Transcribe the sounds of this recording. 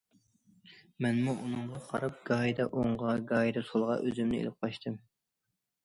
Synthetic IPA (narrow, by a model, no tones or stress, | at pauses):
mɛnmuʔunɨɴʁɑqʰɑ̰ɾɑp̚ɡ̥ɑːjd̪ɑʔoɴʁɑɡɑːjd̪ɑsolˠʁɑ̰ʔøzymnɪḛlɪp̚qʰɑʃt̪ʰɨm